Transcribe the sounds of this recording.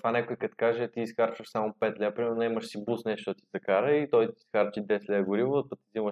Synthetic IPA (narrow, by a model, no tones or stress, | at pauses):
t̪vanʲɛkoikɐt̪kaʒɛt̪iːsxaɾt͡ʃvəʃsamopɛt̪lʲɛpɾimɛɾnonɛmɐʃsibusnɛʃt̪ot̪izɐkaɾɐit̪ɔjt̪isxaɾt͡ʃid̪ɛslʲɛɡʊɾivopət̪izimɐʃ